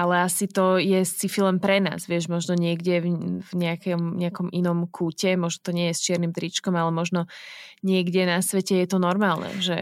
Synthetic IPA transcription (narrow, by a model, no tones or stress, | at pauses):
alɛasit̪ɔjɛst͡sifilɛmpɾɛna̰ːzʋɪɛʒmɔʒnɔɲɪɛɡɟɛvvɲɛakɔmɲɛakɔmʔinɔmkʰuːcɛmɔʒnɔt̪ɔɲɪɛjɛst͡ʃɪɛɾnimt̪ɾit͡ʃkɔmalɛmɔʒnɔ | ɲɪɛɡɟɛnasʋɛcɛjɛt̪ɔnɔɾmaːlˠnɛ̰ʒɛ